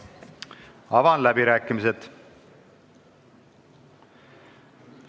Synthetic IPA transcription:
ɑvɑnlæbiɾæːkːˑimiset̪

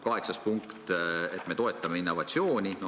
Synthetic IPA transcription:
kɑɦe̞ksɑspuŋkt̪et̪ːˑme̞t̪o̞e̞t̪ˑːɑmeinːo̞vɑt̪sio̞ːnʲino

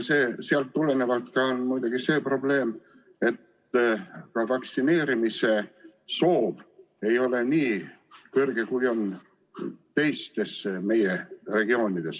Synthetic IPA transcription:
se̞ːseɑlt̪ːule̞ne̞vɑlt̪kɑonmujd̪̥uɡ̥ise̞ːpro̞ble̞ːm | e̞t̪ | kɑvɑksine̞ːɾimise̞so̞ːv | e̞jo̞le̞niː | kɤrɡe̞kujo̞n | t̪e̞jst̪e̞sme̞je̞re̞ɡio̞ːnid̪̥e̞s

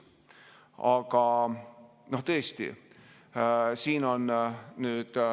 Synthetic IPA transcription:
ɑɡ̥ɑ | no̞ht̪ɤest̪ḭ | siːno̞nnyːd̪̥

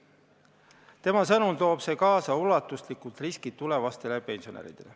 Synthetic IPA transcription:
t̪e̞mɑsɤnunt̪o̞ːb̥se̞ːkɑːsɑulɑt̪ːˑuslikˑult̪riskit̪ːule̞vɑst̪e̞leɑpe̞nsio̞nḛɾḭd̪̥e̞̰le

